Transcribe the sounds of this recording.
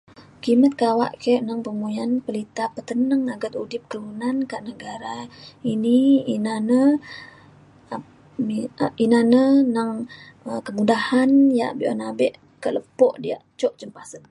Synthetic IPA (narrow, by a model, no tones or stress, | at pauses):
kimət̪̚kawa̰ʔkəʔnəŋpəmujanpəlit̪apət̪ənəŋaɡat̪udɪp̚kəlunankaʔnəɡaɾainiinanə | a | miinanənəŋ | əkəmudahanjaʔbiʔɔ̰nabɛʔ | kaʔləpɔʔdia̰ʔt͡ʃɔʔd͡ʒəmpasən